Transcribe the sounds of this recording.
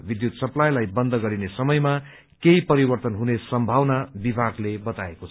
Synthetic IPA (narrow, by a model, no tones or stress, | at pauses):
bid̪jut̪sʌplajlajbʌnd̪ʱʌɡʌɾinesʌmʌjma | keipʌɾibʌrt̪ʌnɦunesʌmbʱawnabibʱaɡlebʌt̪aekot͡sʰ